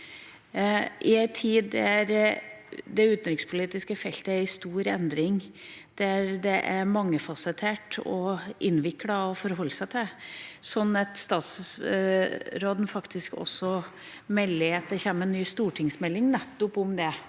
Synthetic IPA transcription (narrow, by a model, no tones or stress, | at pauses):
ɪɛɪt̪ʰiːd̪ɛæɾ | d̪ɛʉːt̪n̩ɾɪkspʰʊliːt̪ɪskəfɛlt̪əæɾɪst̪uːɾɛ̰nd̪ɾɪŋd̪̥ɛæɾd̪ɛʔæɾmɑŋːəfɑsət̪ʰeːʈɔ̰ʔɪnːʋɪkːɽɑɔfɔɾɦɔlːsæɪt̪ʰɪlsɔnːɑt̪st̪ɑːt̪s | ɾoːd̪n̩fɑkt̪ɪskɔ̰sːɔ | mɛlːɪɑt̪̚d̪ɛçeːmənːyːst̪uːʈʰɪŋsmɛlːɪŋnɛt̪ːʊpʊmd̪ɛ